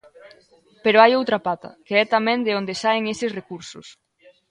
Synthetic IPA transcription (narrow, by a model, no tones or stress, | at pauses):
peɾoajowt̪ɾapat̪ɐ̰keɛt̪amɛ̃nd̪eond̪esaeŋesɪsrekuɾsʊs